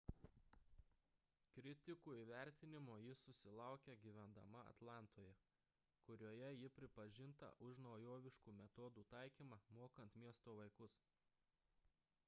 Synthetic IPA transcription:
kɾʲɪt̪ʲɪkuːiːʋʲæˑɾʲt̪ʲɪnʲɪmoːjɪsʊsʲɪlˠɑˑʊkʲɛɡʲiʋʲɛnd̪ɐ̰mɐɐ̰t̪lˠɑˑnt̪ʰoːjɛ | kʊɾʲuɔjɛjɪpʲɾʲɪpɐʒʲɪnt̪ɐ̰ʔʊʃnɐʊjoːʋʲɪʃkuːmʲɛt̪ɔd̪uːt̪ɑˑɪkʲiːmɑmoːkɐnt̪mʲiɛst̪oːʋɐɪkʊs

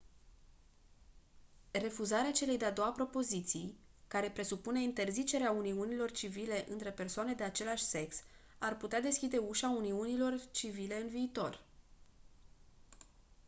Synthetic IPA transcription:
re̞fuzaɾeat͡ʃe̞le̞jd̪e̞ad̪o̞wapɾo̞po̞zit̪sijkaɾe̞pɾe̞supune̞int̪e̞rzit͡ʃe̞ɾeauniunilo̞rt͡ʃivile̞ʔɨnt̪ɾe̞pe̞rsoane̞d̪e̞at͡ʃe̞laʃʲse̞ks | arput̪ead̪e̞skʲid̪e̞uʃauniunilo̞rt͡ʃivile̞ɨnviːt̪o̞r

